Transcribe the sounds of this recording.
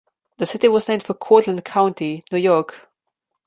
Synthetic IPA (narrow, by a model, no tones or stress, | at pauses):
ðəsɪtiwɔznẽɪ̃md̥fəkʰɔtlə̃nd̚kʰãʊ̃ntʰinjujɔɹk